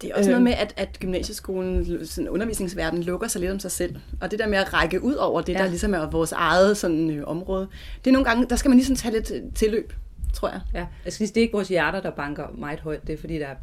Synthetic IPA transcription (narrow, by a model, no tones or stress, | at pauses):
d̥e̝æɐɒ̽səno̽ːð̞ˠmeʔæd̥æd̥ɡ̥ymnɛ̰ːɕəsɡ̥o̝̰ːln̩sɒnɔ̽nɐʋḭsne̝ŋsʋæɐ̰d̥n̩lɔ̽ɡ̥ɐsɑ̈ɪle̝d̥ɒ̽msɑ̈ɪsel̰ɒ̽d̥e̝d̥e̝ɐ̰meæʁɑ̈ɪɡ̥əʔuð̞̰ˠɒʊ̰ɐd̥e̝d̥ɑ̈lisɒ̽mæɐʋɒːsɑ̈ɪð̩ˠsɒ̽n̰n̩øʔɒ̽mʁɔːðˠ | d̥e̝ɐnoːŋ̩ɡ̥ɑ̈ŋəd̥ɑ̈sɡ̥æmænlisɒ̽mt͡sʰɛle̝d̥t͡sʰe̝lø̰ːb̥t͡sʰʁo̝ɐ̰jɑ̈ɪsɡ̥isd̥ee̝ɡ̥əʋɒːsjæɐɾ̥ɐd̥ɑ̈b̥ɑ̈ŋɡ̥ɐmɑ̈ɪð̩ˠɦɒɪ̰d̥ːe̝fɒd̥ḭːd̥ɑɐ